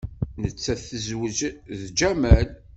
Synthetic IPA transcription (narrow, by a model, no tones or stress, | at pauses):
nət͡sːæθəzwəzðd͡ʒæmæl